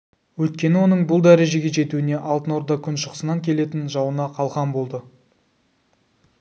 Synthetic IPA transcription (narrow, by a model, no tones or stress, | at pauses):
wɵt̪̚kʲe̞nɪwo̞nəɴbʊlˠd̪æɾe̞ʒe̞ɡʲe̞ʒe̞t̪uɪne̞ʔɑlˠt̪ənoɾd̪ɑkʲʰʏnʃəqsənɑŋkʲʰe̞le̞t̪ɪnʒɑwənɑqʰɑlˠʁɑnbo̞lˠd̪ə